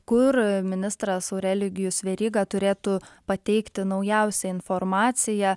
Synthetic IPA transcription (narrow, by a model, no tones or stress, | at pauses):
kʊɾmʲɪnʲɪst̪ɾɐsoʊɾʲɛlʲɪɡʲɪjʊsʋʲɛɾʲiːɡɑt̪ʊɾʲeːt̪ʊpɐt̪ʲɛɪkt̪ʲɪnɐʊjɛʊsʲɛɪnfoɾmɑːt̪sʲɪjɛ